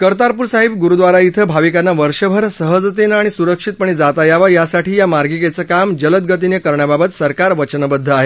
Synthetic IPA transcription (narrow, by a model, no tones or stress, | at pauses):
kəɾt̪aɾpuɾsaɦib̚ɡuɾud̪ʋaɾait̪ʰəbʱaʋikanːaʋəɾʂəbʱəɾsəɦəd͡zt̪enaɽ̃isuɾəkʂit̪̚pəɳ̃id͡zat̪ajaʋajasaʈiːjamaɾɡiket͡səkamd͡ʑələt̪̚ɡət̪injəkəɾɳjababət̪səɾkaɾʋət͡ɕnbəd̪ʱːəaɦe